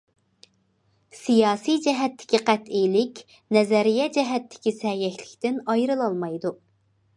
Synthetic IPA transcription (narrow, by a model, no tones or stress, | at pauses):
sijɑːsijd͡ʒɛɦɛt̪ʰːɪ̥kʲiqʰɛt̪ijlɪkʲ | nɛzɛɾijɛd͡ʒɛɦɛt̪ʰːɪ̥kʲisɛjɛkʲlɪkʲt̪ɪnɑjɾɨlˠɑlˠmɑjd̪u